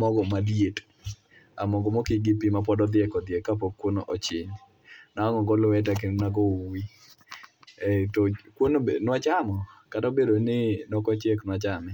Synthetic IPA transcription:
mɔɡɔmadijet | amɔɡɔmokɪɡipimap̬ɔdɔd̪ɪɛkɔd̪ɪɛkːap̬ɔkːwonoʔɔt͡ʃɪɲ | naɔŋɔɡɔlwɛt̬ɛk̬ennaɡɔi | tɔkwonoenwat͡ʃamɔkataobedonɪnɔkɔt͡ʃeknwat͡ʃamɛ

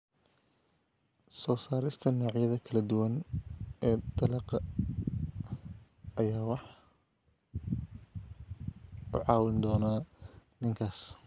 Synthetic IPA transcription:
sɔːsaːɾɪst̪ʰɐnɔːʕjɐðɐkʰɐlɐd̪ʊwɐnɛːd̪̥ɐlɐqɐ | ɐjaːwɑħ | ʔʊ̰ʕɑːwɪnd̪ɔːnaːnɪŋkʰaːs

